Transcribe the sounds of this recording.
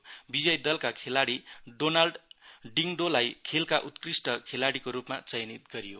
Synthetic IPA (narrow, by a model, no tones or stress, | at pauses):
bid͡zʌjd̪ʌlkakʰelaɽiɖonalɖɖiŋɖolajkʰelkaʔut̪krisʈʌkʰelaɽikoɾupma̰t͡sʌjnit̪̚ɡʌɾijo̰